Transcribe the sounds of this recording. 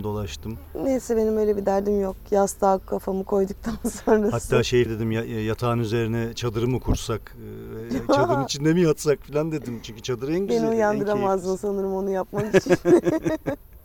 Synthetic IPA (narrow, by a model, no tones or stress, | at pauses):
d̪o̞lˠaʃt̪ɯmnejsɛbe̞nimbø̞jlʲebid̪æɾd̪imjok̚jast̪ʰaːkkʰːafamɯkʰo̞jd̪uk̚t̪ʰansonɾahat̪ʰːaːʃejd̪e̞d̪imjajat̪ʰaːnyze̞ɾinɛt͡ʃʰad̪ɯɾɯmɯkʰuɾsak | vɛt͡ʃad̪ɯɾmit͡ʃʰinːemijat̪sakfilʲand̪e̞d̪imt͡ʃʰyɲcʰy̥t͡ʃʰad̪ɯɾɛnɟibenijand̪ɯɾamazɯsanɯɾɯmo̞nujap̚makit͡ʃʰi